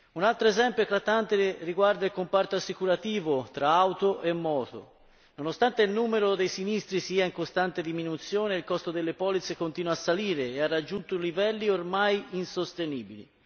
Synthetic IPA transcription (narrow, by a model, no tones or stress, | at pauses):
unalt̪ɾoezɛmpjot̪ɾat̪ːant̪eriɡward̪ailkompart̪oasːikuɾat̪iːvot̪ɾaawt̪oʔemːɔːt̪o̰ | nonost̪ant̪eilnuːmeɾod̪ejsinist̪ɾisiːaiŋkost̪ant̪ed̪iminut̪sjoːneilkɔst̪od̪elːepɔːlit̪sekont̪iːnwasːaliːɾeːarːad͡ʒːunt̪olivɛlːiormajinsost̪eniːbilḭ